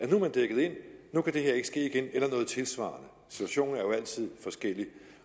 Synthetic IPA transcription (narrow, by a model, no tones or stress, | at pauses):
ænumænd̥eɡ̥əð̞̩ˠe̝n̰ːukʰæd̥e̝he̝ɐ̰e̝ɡ̥əsɡ̥e̝̰ːiɡ̥enelɐnɔ̽ːð̩ˠt͡sʰe̝lsʋɑ̰̈ːnə | si̥t͡sʰuæɕo̝̰ːn̩æɐjo̝æl̰t͡sʰið̞̰ˠfɒ̽sɡ̥el̰i